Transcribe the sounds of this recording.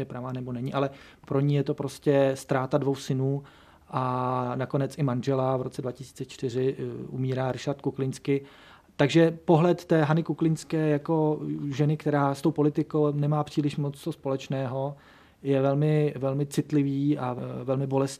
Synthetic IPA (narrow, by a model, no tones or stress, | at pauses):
jɛpɾavaːnɛbo̞nɛɲɪʔalɛ | pɾo̞ɲiːjɛt̪o̞pɾo̞scɛst̪ɾaːt̪advowsɪnuː | ʔanako̞nɛt͡sʔɪmanʒɛlavɾo̞t͡sɛdvacɪsi̥ːt͡sɛt͡ʃt̪ɪrɪʔumiːɾaːɾɪʃaɾt̪̚kuklɪnskɪ | t̪aɡʒɛpo̞ɦlɛt̪ːɛːɦanɪkuklɪnskɛːjako̞ʒɛnɪkt̪ɛɾaːst̪o̞wpo̞lɪt̪ɪkownɛmaːpr̝̥iːlɪʃmot͡st̪ospo̞lɛt͡ʃnɛːɦo̞ | jɛvɛlmɪvɛlmɪt͡sɪt̪lɪviːʔavɛlmɪbo̞lɛs